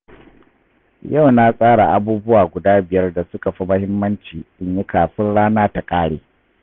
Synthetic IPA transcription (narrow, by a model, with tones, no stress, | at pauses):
ja˦˨wna˦sʼaː˦ɽa˨ʔa˨buː˦bʊ˦waː˨ɡʷʊ˨daː˦bɪ˨jɐ˦rda˨sʊ˦ka˨ɸi˦mɐ˦hɪ˦mːɐ˦nt͡ʃiː˨ɗɪ˦ɲji˦kaː˨ɸɪ˦nɽaː˦naː˦ta˨kʼaː˦ɽeː˨